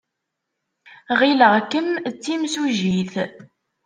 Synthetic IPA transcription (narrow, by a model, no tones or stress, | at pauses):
ʁiləʁkːəmt͡sːimsuʒiθ